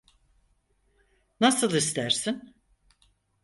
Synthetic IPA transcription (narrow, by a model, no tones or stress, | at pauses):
nasɯlˠist̪ʰæɾsin